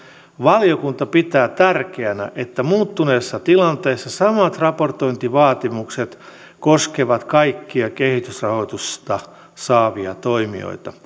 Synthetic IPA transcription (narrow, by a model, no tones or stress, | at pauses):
ʋɑlijokunt̪ɑpit̪æːt̪ærkeænæ̰ʔet̪ːæmuːt̪ːuneːsːɑt̪ilɑnt̪eːsːɑsɑmɑt̪rɑpo̞rt̪oint̪iʋɑːt̪imukset̪ | koskeʋɑt̪kɑikːiɑkehit̪ysrɑho̞it̪ust̪ɑ | sɑːʋiɑ̰t̪oimḭo̰it̪ɑ